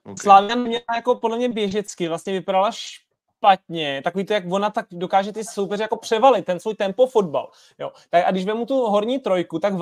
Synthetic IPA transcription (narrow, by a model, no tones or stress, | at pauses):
slaːvɪjanɛmɲɛajako̞podlɛmɲɛbjɛʒɛt͡skɪvlast̪ɲɛvɪpaɾalaʃ | pat̪̚ɲɛt̪akoviːt̪ojakvo̞nat̪ak̚do̞kaːʒɛt̪ɪso̞wpɛrɪjako̞pr̝̥ɛvalɪt̪̚ːɛnsvuːjt̪ɛmpofo̞dba̰l | jo̰t̪aka̰ɡdɪʃvɛmut̪uɦo̞ɾɲiːt̪ɾo̞jkut̪aɡ